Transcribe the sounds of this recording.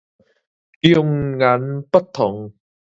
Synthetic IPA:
jʊ˧ŋŋɐ˨˥npɐ˥t̚t̪ʰːʊ˨˩ŋ

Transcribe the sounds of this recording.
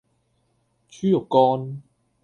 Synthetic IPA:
t͡ɕʰyː˦˥jo˨kɔ˧n

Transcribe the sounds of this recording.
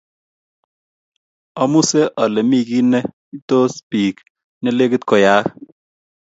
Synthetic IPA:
ɔ˦mu˦sɛ˦ʔɔ˨lɛ˨mi˦˨ki˦nɛ˦ | i˦to˦spi˨k | nɛ˦le˦kɪ˦t̪kɔ˨ja˨˦k

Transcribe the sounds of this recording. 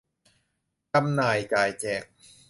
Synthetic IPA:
ka˧mnaː˨˩jt͡ɕaː˨˩jt͡ɕɛː˨˩k̚

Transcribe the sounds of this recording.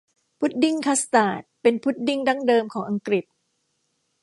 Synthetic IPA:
pʰu˦˥t̪̚di˥˩ŋkʰa˦˥st̪aː˨˩t̪̚pe˧npʰu˦˥t̪̚di˥˩ŋda˥˩ŋdɤː˧mkʰɔː˩˦ŋʔa˧ŋkɾi˨˩t̪̚

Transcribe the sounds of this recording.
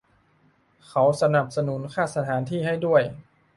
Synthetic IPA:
kʰa˩˦wsa˧na˨˩p̚sa˧nu˩˦˥nkʰaː˥˩sa˧t̪ʰaː˩˦nt̪ʰiː˥˩ɦa˥˩jdu˥˩əj

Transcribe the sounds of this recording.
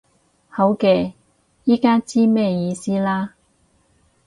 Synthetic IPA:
hɐ˨˥wkɛː˧ | jiː˥kaː˥t͡siː˥mɛː˥˩jiː˨˧siː˥laː˥

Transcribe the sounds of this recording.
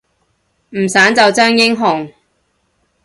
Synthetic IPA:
m̩˨˩saː˨˥nt͡sɐ˨wt͡ʃœː˥ŋjɪ˥ŋɦʊ˨ŋ

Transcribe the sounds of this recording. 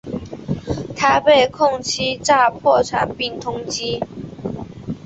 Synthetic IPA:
t̪ʰa˨˥ɪpe˥˩ɪkʰʊ˥˧ŋt͡ɕʰi˥ʈ͡ʂa˥˧pʰwɔ˥˩ʈ͡ʂʰa̰˨˩˦npi˥˩ŋt̪ʰʊ˥ŋt͡ɕi˥

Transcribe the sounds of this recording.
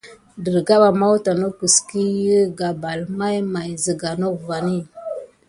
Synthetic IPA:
də˨ɾɡa˦ɓa˨ma˦wta˨no˦kə˨ski˦jə˦ɡa˨ba˨lma˦jma˨jzə˨ɡa˨no˦kva˨ni˦˨

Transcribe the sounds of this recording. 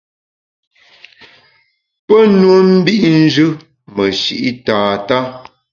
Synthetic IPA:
pə˦nwə˦m̩˦bi˦ʔn̩˦d͡ʒʉ˦ | mə˨ʃḭ˨ʔi˦taː˨ta˦

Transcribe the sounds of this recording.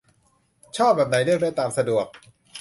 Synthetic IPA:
t͡ɕʰɔː˥˩p̚bɛː˨˩p̚na˨˦jlɯ˥˩ək̚daː˦˥jt̪aː˨˩msa˧du˨˩ək̚

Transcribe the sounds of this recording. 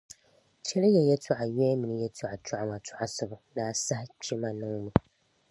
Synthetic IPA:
t͡ʃɛ˦lɨ˦jɛ˨jɛ˦tʰɔ˨ʔa˨jɛː˦mɨ˨nɨ˦jɛ˦tʰʊ˨ʔa˨t͡ʃɔ˦ʔa˦ma˨tʰʊ˨ʔa˨sʊ˦˨bʊ˨naː˦sa˦ht͡ʃɛ˦ma˨nɨ˦ŋ˦nɨ˦

